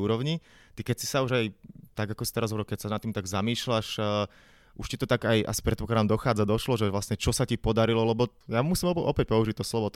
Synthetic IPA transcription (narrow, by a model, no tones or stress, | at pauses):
uːɾɔʊɲi | t̪ikɛcsi̥sauʒajt̪aɡakɔsi̥t̪ɛɾazɦɔbɾɛlkɛcsanat̪ːiːmt̪aɡzamiːʃlaʃ | ʔuʃcit̪ɔt̪aɡajʔa̰si̥pɾɛt̪̚pɔklad̪aːmd̪ɔxaːd͡zad̪ɔʃlɔʒɛʋlasɲɛt͡ʃɔsacipɔd̪aɾilɔlɛbɔjamusimɔʔɔ̰pɛc̚pɔuʒic̚t̪ɔslɔʋɔt̪